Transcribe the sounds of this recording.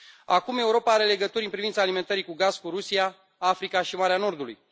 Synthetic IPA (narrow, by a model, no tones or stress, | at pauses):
akume̞uɾo̞paaɾe̞le̞ɡət̪uɾʲɨnpɾivint̪salime̞nt̪əɾikuɡazkuɾusia | afɾikaʃimaɾeano̞rd̪ulṵj